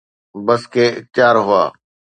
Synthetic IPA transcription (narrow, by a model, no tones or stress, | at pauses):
bəskeːt͡ʃaːɾɦʊa̰ː